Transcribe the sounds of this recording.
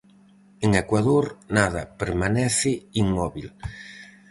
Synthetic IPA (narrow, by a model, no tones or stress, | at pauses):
eŋekwaðoɾnaðɐpeɾmanɛθɪiŋmɔβil